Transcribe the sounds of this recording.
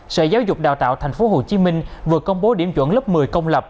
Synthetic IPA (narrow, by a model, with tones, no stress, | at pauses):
sə̰˧˨zaː˨˦wzʊ˨˩k͡p̚ɗa̰ː˨˩wt̪a̰ː˧˨wt̪ʰŋ̟fo˨˦ɦo˨˩t͡ɕi˨˦mï˧ŋ̟vɨ˨˩əkə˧wŋ͡mɓo˨˦ɗḭ˧˩əmt͡ɕwə˧˨nlu˦˥p̚mɨ˨˩əjkə˧wŋ͡mlə˨˩p̚